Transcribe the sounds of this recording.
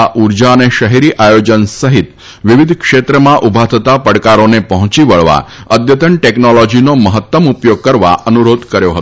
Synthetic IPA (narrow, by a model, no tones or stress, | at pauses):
aʔuɾd͡ʑaəneʃəɦeɾiːʔajod͡ʑənsəɦit̪ | ʋiʋid̪ʱkʂet̪ɾəmaʔubʱat̪ʰət̪apəɽkaɾonepəɦũt͡ɕiʋəɭʋa̰əd̪jət̪əɳʈeknɔlɔd͡ʑinoməɦət̪wəmupjoɡ̚kəɾʋa̰ənuɾod̪ʱkəɾjoɦət̪